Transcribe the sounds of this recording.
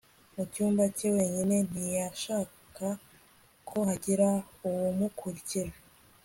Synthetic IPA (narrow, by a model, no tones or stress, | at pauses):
mucuːmbacewe̞ːɲine̞n̥ijaʃaːka | kʰo̞haɟiɾa | uwumukʰuɾiciɾa